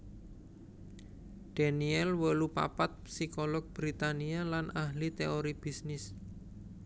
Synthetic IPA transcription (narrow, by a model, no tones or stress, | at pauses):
d̥a̤niɛlwəlupa̰pat̪̚psikolɔɡ̚b̥ɾit̪anialanʔahlit̪eoɾib̥isnɪs